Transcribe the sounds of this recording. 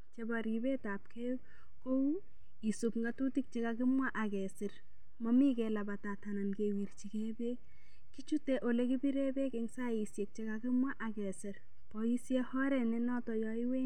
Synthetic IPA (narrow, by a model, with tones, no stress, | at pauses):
t͡ʃe˦baɾi˨be˦ta˨p̚kʰe˦ | ko˦u | i˨supŋɡa˨tu˦tik̚t͡ʃe˦kaki˦mwa˦ʔa˨kɛ˨si˨r | mɔ˦mi˦kɛla˨ba˨ta˨tana˨nkewi˨ɾt͡ʃi˨kɛbe˦ | ki˦t͡ʃu˦teʔo˨le˦ki˦bi˦ɾe˦be˦keŋsa˦i˨sje˨k̚t͡ʃekaki˦mwa˦ʔa˨kɛ˨sɪ˨ɾ | pɔi˦sjɛ˦hɔ˦ɾɛ˨ne˦nɔ˦tɔ˨jɔi˦we˦